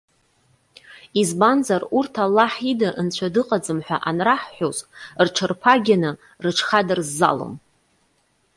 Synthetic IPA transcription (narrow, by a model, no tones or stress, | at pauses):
izbanzarurtʰalːaħidɨʔnt͡ɕʷʰadɨqʼad͡zɨmħʷᶣa̰ʔanraħħʷozrʈ͡ʂʰɨrpʰaɡʲanɨ | rɨʈ͡ʂʰχadarzːa̰lo̰m